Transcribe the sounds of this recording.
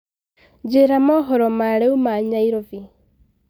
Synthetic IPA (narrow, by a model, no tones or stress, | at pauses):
d͡ʒeɾamɔɦɔɾɔmaɾeumaɲaiɾovi